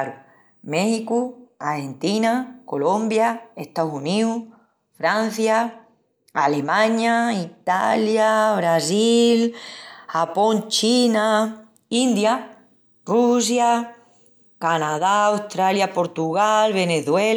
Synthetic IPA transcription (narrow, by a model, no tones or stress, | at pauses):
ɾu | mehikuahe̞nt̪inako̞lo̞mbjaeht̪asuniu | fɾan̟θja | ale̞mãɲait̪aljaβɾasilhapõ̞nt͡ʃina | ind̪ja | rus̬ja | kanaðaːwt̪ɾaljapo̞ɾt̪uɣalβe̞ne̞θwe